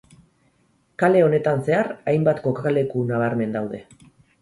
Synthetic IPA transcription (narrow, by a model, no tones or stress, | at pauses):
kale̞o̞ne̞t̪anse̞aɾajmbat̪ko̞kaale̞kunaβ̞aɾme̞nd̪awðe̞